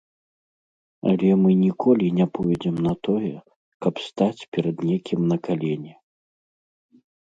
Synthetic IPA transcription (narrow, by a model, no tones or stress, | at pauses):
ɐ̰lʲɛmɨnʲikʰɔlʲinʲapɔjd͡zʲɛmnɐt̪ɔjɛ | kɐpst̪at͡sʲpʲɛɾɐd̪nʲekʲimnɐkalʲɛnʲɛ